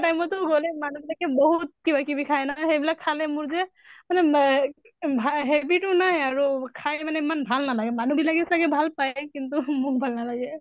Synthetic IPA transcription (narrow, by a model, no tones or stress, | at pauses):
ʈajmɔtʊɡolɛmanubilakɛbɔɦut̪̚kibakibikʰajnaɦejbilakʰːalɛmʊɹzɛ | manɛ | bʱaɦɛbitʊnaɦɛaɹukʰajmanɛimanbʱalnalaɡɛmanubilakɛsaɡɛbʱalpajkintumʊk̚bʱalnalaɡɛ